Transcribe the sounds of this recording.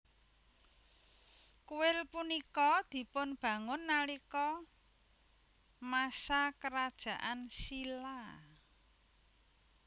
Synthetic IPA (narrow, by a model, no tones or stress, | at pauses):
kuwɪlpunikɔd̪̥i̤pʊnb̥ä̤ŋʊnːalikɔ | masakəɾad̥ʒ̥ä̤ʔansila